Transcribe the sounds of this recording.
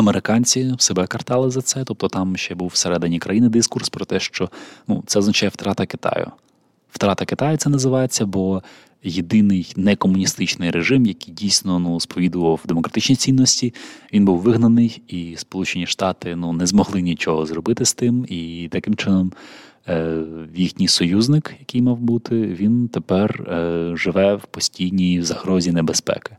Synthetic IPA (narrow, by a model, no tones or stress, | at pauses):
ɐmeɾɪkɑnʲt͡sʲiwsebɛkɐrt̪ɑlˠɪzɐt̪sɛt̪ɔp̚t̪ɔt̪ɑmʃt͡ʃɛbuwseɾɛd̪ɪnʲikɾʔɐjinɪd̪iskurspɾɔt̪ɛʃt͡ʃɔnṵt̪sɛɔznɐt͡ʃɑjɛft̪ɾɑt̪ɐkɪ̥t̪ɑ̰jʊ̰ | ft̪ɾɑt̪ɐkɪt̪ɑjʊt̪sɛnɐzɪʋɑjet͡sʲːɐbɔ | jed̪ɪnɪjnɛkɔmʊnʲist̪ɪt͡ʃnɪjɾʔeʒɪmjɐkɪjdʲijsʲnɔnuspɔʋʲid̪ʊʋɐwd̪emɔkɾɐt̪ɪt͡ʃnʲijt͡sʲinːɔsʲtʲiʋʲinbuwʋɪɦnɐnɪjispɔlˠut͡ʃenʲiʃt̪ɑt̪ɪnunɛzmɔɦlˠɪnʲit͡ʃɔɦɔzrɔbɪt̪ɪst̪ɪmit̪ɐkɪmt͡ʃɪnɔm | jixnʲijsɔjuznɪkjɐkɪjmɑwbut̪ɪʋʲint̪epɛrʒɪʋɛwpɔsʲtʲijnʲijwzɐhɾɔzʲinebespɛ̰kɪ̥